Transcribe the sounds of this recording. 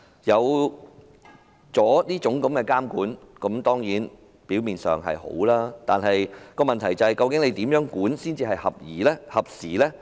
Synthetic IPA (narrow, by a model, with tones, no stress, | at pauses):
jɐ˨˧w | t͡sɔː˨˥liː˥t͡ʃʊ˨˥ŋkɐ˨˧˥mkɛː˧kaː˥mkuː˨˥nkɐ˨˥mt̪ɔː˥ŋjiː˨˥n | piː˨˥wmiː˨nsœ̰ː˨˩ŋɦɐ̰˨jho̰˨˥wlaː˥t̪aː˨nɦɐ˨jkɔː˧mɐ˨nt̪ʰɐ˨˩jt͡sɐ˨˧hɐ˨˩jkɐ˧wkɪ˨˥ŋle˨˧jt̪iː˨˥mjœː˨˥ŋkuː˨˥nsiː˥nt͡siː˧hɐ˨jhɐ̰˨p̚jiː˨˩lɛː˥hɐ˨˩p̚siː˨˩lɛː˥